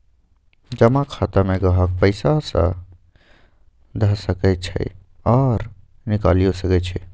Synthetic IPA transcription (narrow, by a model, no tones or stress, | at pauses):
d͡ʒəmakʰat̪amẽɡəɦək̚pəɪsasə̰̃ | d̪ʱəɦsəkɛt͡ʃʰə̰j | ɔːɾ | nikalijosəkɛt͡ʃʰɛ